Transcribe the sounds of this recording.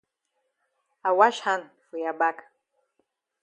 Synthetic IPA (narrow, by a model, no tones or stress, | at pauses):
awaʃħanfijabakʼ